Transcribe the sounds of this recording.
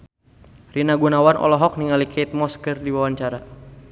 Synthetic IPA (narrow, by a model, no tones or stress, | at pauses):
rinaɡunawanʔɔ̰lɔɦɔk̚niŋalikʰɛit̪̚mɔskərdiwawaɲt͡ʃaɾa